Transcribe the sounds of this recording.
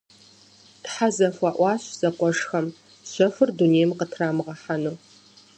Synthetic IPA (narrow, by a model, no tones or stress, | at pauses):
tħazɐfʷɑːʔʷɑːɕz̥ɐqʷɔʂxɐm | ɕʷɔfɨrduneːjmqətʰraːmɨʁɐħanuː